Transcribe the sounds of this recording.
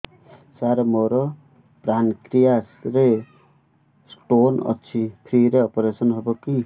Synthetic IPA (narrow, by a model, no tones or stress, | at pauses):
saɾʌmoɾʌ | pɾankɾijasɾe | sʈonʌ̰t͡sʰipʰɾiɾeɔpɾesʌnɦʌboki